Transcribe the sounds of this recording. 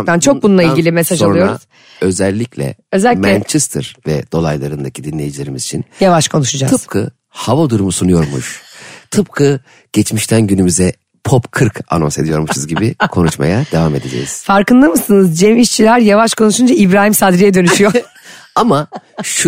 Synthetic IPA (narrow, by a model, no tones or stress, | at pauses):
t̪ant͡ʃʰo̞kbununˠailʲɟilʲimesaʒalnˠujoɾuz̥ | ø̞zɛlʲːiclʲɛ̰ø̞zɛlʲːmɛɛnt͡ʃʰɛst̪ʰɯɾvɛ̰d̪̥o̞lˠajlˠaɾɯnd̪acʰid̪inlʲe̞jid͡ʒilʲe̞ɾimizit͡ʃʰinjavaʃkʰo̞nuʃud͡ʒat̪ʰɯzp̚kʰɯ̰ | havod̪uɾumusunujo̞ɾmṵʃt̪ʰɯp̚kʰɯ | ɟ̥ɛt͡ʃmiʃt̪ʰænɟynymyzɛ | pʰopkʰɯɾkʰa̰no̞nse̞d̪ijo̞ɾmusuzɟibikʰo̞nut͡ʃma̰jad̪e̞vame̞d̪e̞d͡ʒḛjiz̥faɾkɯnd̪ɯmɯsɯnɯzd͡ʒemiʃt͡ʃʰilʲæɾjavaʃkʰo̞nuʃund͡ʒaibɾaːɦimsad̪ɾijɛd̪ø̞nyʃyjo | amaʃ